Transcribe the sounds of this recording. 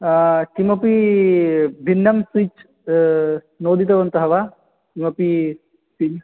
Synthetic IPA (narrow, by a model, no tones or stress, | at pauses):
kimɐpi | bʱinːɐmsit͡ʃ | noːd̪it̪ɐʋɐnt̪ɐɦɐʋa | kimɐpi | pin